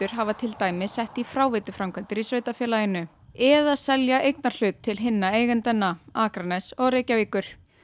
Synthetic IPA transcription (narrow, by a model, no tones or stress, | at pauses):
ʏɾ̥ɦavat̪ʰɪlt̪aːjmɪðsɛht̪ifɾaːwvɪt̪ʏfɾamkʰvant̪ɪɾisvejt̪afjɛːlajɪnʏ | ɛðaðsɛljaʔejknaɾ̥l̥ʏːt̪ʰːɪlɦɪnːaeːjɣɛnt̪ɛnːaaːkɾanɛsɔɣrejcaviːkʏɾ̥